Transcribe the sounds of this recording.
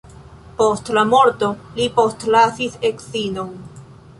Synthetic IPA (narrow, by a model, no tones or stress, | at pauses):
po̞stlamo̞ɾto̞lipo̞stlasise̞ksino̞n